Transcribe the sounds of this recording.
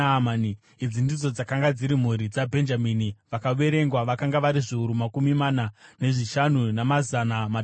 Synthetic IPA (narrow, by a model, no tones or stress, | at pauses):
mani | id͡zindid͡zo̞d͡zakaŋɡad͡ziɾim̤uɾid͡zabʱe̞nd͡ʒaminiʋakaʋe̞ɾe̞ŋɡwaʋakaŋɡaʋaɾiʐiuɾumakumimanane̞ʐiʃanunamazanama